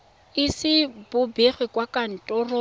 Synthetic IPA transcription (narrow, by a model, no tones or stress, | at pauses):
ɪsɪbʊbeχwɪkʼwakʼan̩tʼɔro